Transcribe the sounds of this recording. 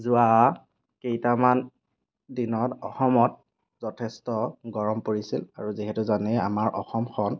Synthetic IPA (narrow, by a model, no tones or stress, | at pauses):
zʊa | kejtaman | dinɔtɔxɔmɔt̚ | zɔtʰɛstɔɡɔɹɔmpoɹisilaɹuziɦɛtuzanɛa̰maɹʔɔ̰xɔmxʰɔn